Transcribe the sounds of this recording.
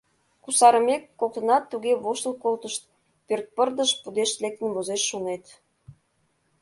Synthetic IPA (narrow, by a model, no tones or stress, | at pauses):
kusɑɾəmekːokt̪ə̆nɑt̪ːuɣeβoʃt̪əlkolt̪əʃt̪̚ | pørt̪̚pərd̪əʃpud̪eʃt̪lek̚t̪ə̆nβozeʃːonet̪